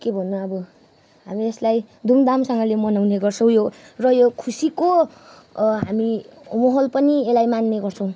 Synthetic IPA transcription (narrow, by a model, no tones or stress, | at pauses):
kebʱʌnːuʌbʌ | ɦamieslaj | d̪ʱumd̪amsʌŋɡʌlemʌnawneɡʌrt͡sʰʌw̃jorʌjokʰusiko | ɦamimʌɦʌlpʌnielajmanːeɡʌrt͡sʰʌ̃w̃